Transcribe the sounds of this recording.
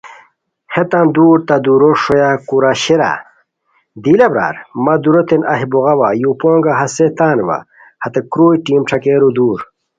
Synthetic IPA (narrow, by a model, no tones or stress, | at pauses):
het̪and̪uːɾt̪ad̪uɾoʂojakuɾaɕiɾa̰ | d̪ilɐbɾa̰ːɾmɐd̪uɾot̪enʔɐ̰ɦiboɣɐwajupoːŋɡaɦɐset̪aːnʋa̰ | hɐt̪ekɾuːjʈiːmʈ͡ʂʰɐkeːɾud̪uːɾ